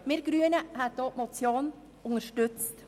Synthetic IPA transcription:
meːɾɡɾyːənəhæd̪oːmɔt̪sjoːn | ʊŋəʃʈʉt̪st̪

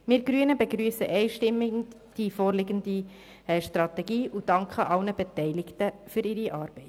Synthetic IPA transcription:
mɪːɾɡ̥ɾyənəbeɡɾyːsəʔɛɪʃtɪmːɪ | d̥ifoːɾlɪɡəndi | ɛʃtrɑt̪ɛɡiːʔud̥ɑŋkχəʔɑlnəbɛtɛɪlɪɡtəfʏɾɪɾiʔɑːɾb̥ɛɪt

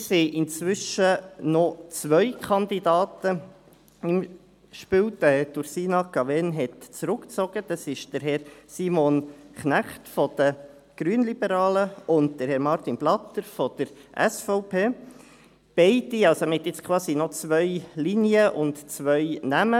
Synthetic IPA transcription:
siʔɪnt͡sʋʏʃənɔt͡sʋœjkʰɑnd̪idɑːt̪ə | ɪm | ʃpywdətuɾsiːnɑkɑʋɛnɦɛtt͡sɾʊkt͡sɔɡ̥əd̪̥ɑsɪʃd̥əɾɦɛɾsimɔnknæχtfɔd̪̥ə | ɡ̥ɾyənlib̥əɾɑːləʊnt̚d̥əɾhɛɾmɑɾt̪inblɑt̪ːəɾfɔd̪̥əɾʔɛsfɔʊpʰeː | b̥ɛɪdiɑlsomhɛtjɪt͡skʰwɑːsinɔt͡sʋœɪliniəʔʊntt͡sʋœjnæmə

